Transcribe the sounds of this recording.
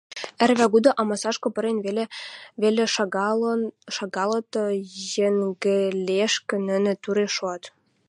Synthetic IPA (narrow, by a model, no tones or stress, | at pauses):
ærβæɡud̪ɤ̆ʔɑmɑsɑʃkŏpɤ̆ɾenveleβelʲĕ | ʃɑɡɑlˠɤ̆t̪ɤ̆jĕŋɡɘ̆lʲeʃkɘ̆nɘ̆nɘ̆t̪uɾeʃoɑt̪